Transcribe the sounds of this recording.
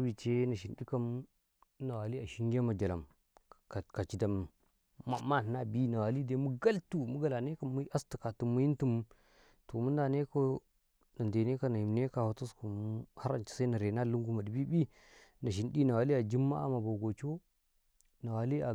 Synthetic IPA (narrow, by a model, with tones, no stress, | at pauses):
bi˨t͡ʃe˦na˨ʃ̬i˨nɗi˦ka˦m˦ | na˨wa˨li˦a˨ʃi˦ŋɡʲe˦ma˨d͡ʒa˨la˨m | kka˨t͡ʃi˨da˨mː | a˨mːa˦˨n˨na˦bi˦na˨wa˨li˦de˦mu˦ɡa˦ltu˨mu˦ɡa˨la˨ne˦ka˦mːu˦ʔa˦stu̥˨ka˨tu˨mːu˦ji˦ntu˦m˦ | to˨mu˦nda˨ne˦ko˦ | na˨nde˨ne˦ka˦na˨ji˨mne˦ka˨ho˨˦to˦sku˨m˦ha˦ɾa̰˨nt͡ʃi̥˨sa˦na˨ɾe˨na˦˨lu˦ŋɡu˦ma˨di˨bi˦bi˦ | na˨ʃ̬i˨nɗi˦na˨wa˨li˦a˨d͡ʒi˦mːa̰˦a̰˨ma˨bo˨ɡo˨t͡ʃo˦ | na˨wa˨li˦a˨